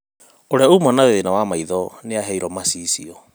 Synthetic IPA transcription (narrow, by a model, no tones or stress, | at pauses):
oɾeaumɔnaðeðenawamaiðɔneaɦɛiɾɔmasisiɔ